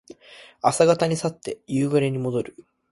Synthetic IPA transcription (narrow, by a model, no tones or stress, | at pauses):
asaɡat̪aɲ̟isat̪ːe̞jɯːɡɯɾe̞ɲ̟imo̞d̪o̞ɾɯ̟